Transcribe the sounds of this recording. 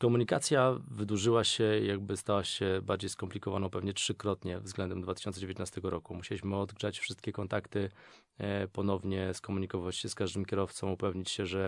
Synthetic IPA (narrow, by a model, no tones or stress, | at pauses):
kɔmuɲikat̪sʲjavɘd̪uʐɘwaɕɛjaɡ̚bɘst̪awaɕɛbaɾd͡ʑejskɔmplʲikɔvanɔ̃w̃pɛvɲɛtʂɘkɾɔt̪ɲɛvzɡlɛnd̪ɛmd̪vat̪ɪɕɔnsɛd͡ʑevjet̪nast̪ɛɡɔɾɔkumuɕelʲiɕmɘɔd̪ɡʐat͡ɕfʂɘst̪̚kʲɛkɔnt̪akt̪ɘ | pɔnɔvɲɛskɔmuɲikɔvvat͡ɕɕɛskaʐd̪ɘmkʲɛɾɔft̪sɔ̃mupɛvɲit͡ɕɕɛʐɛ